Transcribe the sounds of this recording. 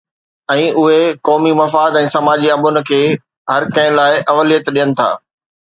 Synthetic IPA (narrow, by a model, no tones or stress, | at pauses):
ɛ̃ːʊɦekɔːmimɐfaːd̪ɛ̃ːsɐmaːd͡ʑiɐbʊnɪ̆kʰeː | ɦɐɾkɐ̃ɦɪ̃laːɪʔɐʋəlijət̪ɗijənɪ̆t̪ʰa̰ː